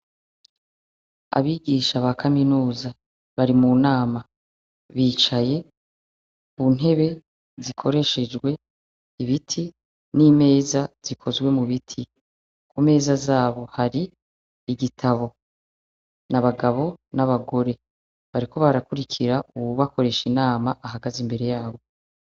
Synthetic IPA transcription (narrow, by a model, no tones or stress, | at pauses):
a̰βiɡiʃaβakʰaminuːza | βaɾimunaːma | βiːt͡ʃaje̞ | βun̥ɦe̞βe̞ | zikʰo̞ɾe̞ʃe̞d͡ʒɡwe̞ | iβitʰi | nime̞ːzaz̥ikʰo̞zɡwe̞muβitʰi | kume̞ːzazaːβo̞haɾiː | ɡitʰaβo̞ | naβaɡaβo̞naβaɡo̞ɾe̞ | βaɾikʰo̞βaɾakuɾikʰiɾauβuβako̞ɾe̞ʃinaːmaʔaɦaɡazimbe̞ɾe̞jaːβo̞